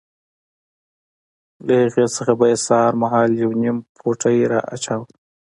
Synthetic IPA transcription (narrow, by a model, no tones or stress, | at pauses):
lahiɣesəxabajesɑːɾmaɦɑːljawnimpʰoʈəjɾɑ̰ʔa̰t͡ʃaw